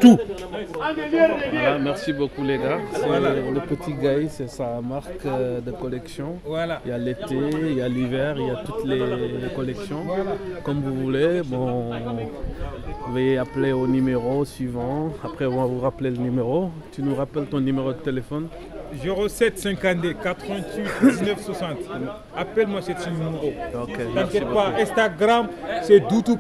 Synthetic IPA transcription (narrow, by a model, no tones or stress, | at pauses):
t̪u | valamɛʁsibokuleɡasɛləpət̪iɡajsɛsamaʁkd̪əkɔlɛksjɔ̃alailjalet̪eiljalivɛʁiljat̪ut̪lekɔlɛksjɔ̃kɔmvuvulebɔ̃ | uvajeapleonymeʁosɥivɑ̃apχɛ̃vwavuʁaplelənymeʁot̪ynuʁapɛlt̪ɔ̃nymeʁod̪ət̪elefɔn | zeʁosɛt̪sɛ̃kad̪ekat̪χəvɛ̃t̪ɥit̪d̪iznœfswasɑ̃t̪ | apɛlmwasɛt̪sɛ̃nymmeʁookeʒãkʲjɛt̪̚paɛ̃st̪aɡʁamsɛd̪ut̪up